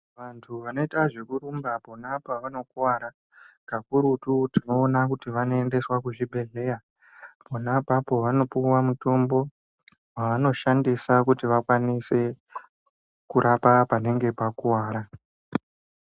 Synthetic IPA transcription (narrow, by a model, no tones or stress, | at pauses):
ʋantʰuʋano̞itaʐe̞kuɾumbapo̞napaʋano̞kuwaɾa | kakuɾututino̞ːnakutiʋano̞e̞nde̞swakuʐibʱe̞ɮe̞ja | ponapapoʋano̞puwamuto̞mbo̞ | waʋano̞ʃandisakutiʋakwanise̞ | kuɾʔapapane̞ŋɡe̞pakuwaːɾa